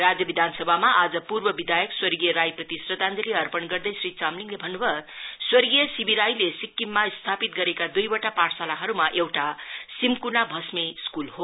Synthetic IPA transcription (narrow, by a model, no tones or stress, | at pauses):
rad͡zjʌbid̪ʱansʌbʱamaʔad͡zʌpurbʌbid̪ʱajʌkswʌrɡijʌɾajprʌt̪isrʌd̪ʱand͡zʌliʌrpʌnɡʌrd̪ʌjsrit͡samliŋlebʱʌnːubʱʌswʌrɡijʌsibiɾajlesikːimːast̪ʰapit̪̚ɡʌɾekad̪ujbʌʈapaʈsalaɦʌɾumaʔewʈasimkunabʱʌsmeskulɦho